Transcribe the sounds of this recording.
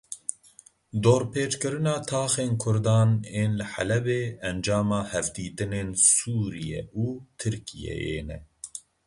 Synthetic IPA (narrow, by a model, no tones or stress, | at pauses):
d̪oːɾpeːt͡ʃkɨɾɨnɑːt̪ʰɑːxeːnkʰʊɾd̪ɑːneːnlɨħæ̰lɛbeːɛnd͡ʒɑːmɑːhɛvd̪iːt̪ɨneːnsuːɾijɛ̰ʔuːt̪ʰɨɾkʰijɛ̰jḛːnɛ